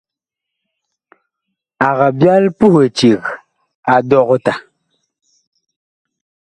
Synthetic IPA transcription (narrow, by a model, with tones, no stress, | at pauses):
a˨ɣa˨bja˦lpu˦he˨t͡ʃi˨ɣ | a˨dɔ˦˨ɣta˨